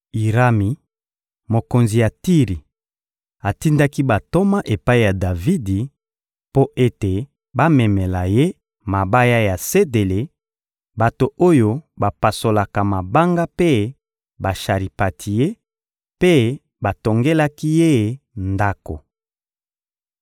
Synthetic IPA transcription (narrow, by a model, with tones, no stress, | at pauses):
i˨ʁa˦mi˨ | mo˨ko˨nzi˨ja˨ti˦ʁi˨ | a˨ti˦nda˦ki˦ba˨to˦ma˦ʔe˨pa˦i˦˨ja˨da˨vi˦di˨ | po˦ʔe˦te˨ | ba˦mɛ˨mɛ˨la˨je˦ | ma˨ba˦ja˦ja˨se˦de˨le˨ | ba˨to˨o˦jo˦ba˨pa˨so˨la˨ka˨ma˨ba˦ŋɡa˦pe˦ | ba˨ʃa˨ʁi˨pa˨tʰi˨je˦ | pe˦ | ba˨to˨ŋɡe˦la˦ki˦je˦˨nda˦ko̰˨